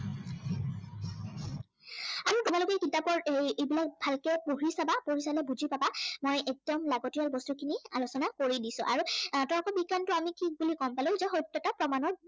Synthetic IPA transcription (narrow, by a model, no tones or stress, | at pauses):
aɹutubalʊkɛkintapɔɹejebilak̚bʱalkɛpuɦisabapoɹisalɛbuzʱipabamojɛk̚dɔmlaɡɔtijalbɔstukʰinia̰losɔnakoɹidisʊ̰̃ʔaɹutɔlɔkɔbikantʊamikʰik̚bulikɔmpalʊ̃zɛxɔjtːɔtapɹɔmanɔɹ